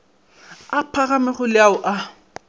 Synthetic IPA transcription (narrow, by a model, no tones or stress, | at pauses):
apʰaɣamɛχʊlɪaʊʔa